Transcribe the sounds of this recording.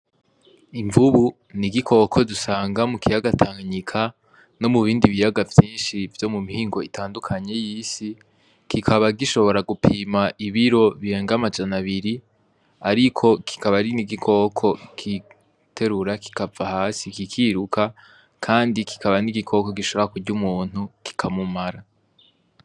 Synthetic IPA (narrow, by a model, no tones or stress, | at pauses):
iɱvuβu | niɡikʰo̞kʰo̞dusaːŋɡamukijaɡatʰaŋɲikʰa | no̞muβiːndiβijaɡavjiːnʃivjo̞mumihiːŋɡo̞itʰaːndukʰaɲe̞jiːsi | kʰikʰaβaɡiʃo̞βo̞ɾaɡupʰiːmaʔiβiɾo̞βiɾe̞ːŋɡamad͡ʒanaβiɾi | aɾikʰo̞kʰi̥kaβaɾiniɡikʰo̞ːkʰo̞kʰi | tʰe̞ɾuɾaki̥kavahaːsikikʰiːɾukʰa | kʰaːndikʰi̥kʰaβaniɡikʰo̞ːko̞ɡiʃoβoakuɟɟumuːn̥uki̥kʰamumaɾa